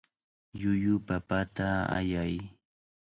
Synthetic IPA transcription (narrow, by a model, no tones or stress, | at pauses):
jʊjʊpapat̪aa̰jaj